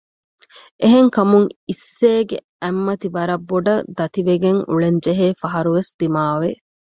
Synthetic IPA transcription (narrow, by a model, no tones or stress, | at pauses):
ʔeɦeŋkɐmuŋisːeːɡe | æmːɐt̪iʋɐɾɐbːoɖɐd̪ɐt̪iʋeɡeŋṵɭend͡ʒeɦeːfɐɦɐɾuʋesd̪̥imaːʋe